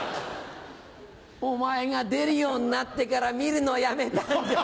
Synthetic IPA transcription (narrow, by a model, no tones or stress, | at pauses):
umaɛŋad̪eɾijonat̪ːekaɾamiɾinɔjamet̪a